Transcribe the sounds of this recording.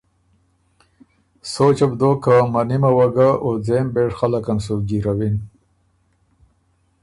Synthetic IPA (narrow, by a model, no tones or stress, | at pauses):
sot͡ʃabd̪oːkamanimawaɡaʔod͡zeːmbeʈxalakansoɡiɾawin